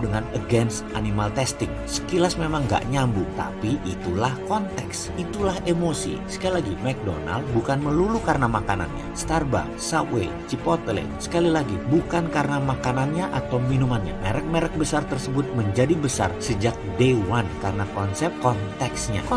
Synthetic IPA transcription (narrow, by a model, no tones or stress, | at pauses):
dəŋanəɡɛns | animalt̪ɛst̪ɪŋsə̥kilasmemaŋɡa̰ʔɲambut̪a̰piʔit̪ulahkɔnt̪ɛks | it̪ulahemosḭsə̥kalilaɡimɛk̚do̰na̰ld̚bukanməlulukarənamakana̰nɲa̰st̪arba̰ | satwḛ | t͡ʃipɔt̪əlḛsə̥kalilaɡibukankaɾənamakananɲaʔat̪awminumanɲa̰meɾɛk̚meɾɛk̚bəsart̪ərsəbʊt̪̚məɲd͡ʒadibəsa̰rsəd͡ʒak̚dewankarənakɔnsɛp̚kɔnt̪ɛksɲa̰